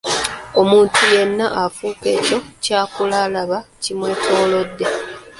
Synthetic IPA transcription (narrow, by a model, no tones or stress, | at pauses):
o̞muːntuje̞nːaʔafuːkeːco̞caːkulalaβacimwe̞ːkoːlo̞dːe̞